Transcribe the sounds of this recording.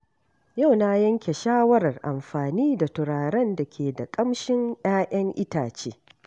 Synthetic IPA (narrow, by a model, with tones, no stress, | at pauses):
ja˦˨wna˦jɐ˦ŋkʲe˨ʃaː˦wɐ˦ɾɐ˨rʔa˨mɸaː˨niː˦da˨tʊ˨ɽaː˨ɾɐ˦nda˨kʲeː˨da˨kʼɐ˦mʃɪ˦ŋj̰aː˦ʔɐ˦ŋʔɪ˦taː˨t͡ʃeː˦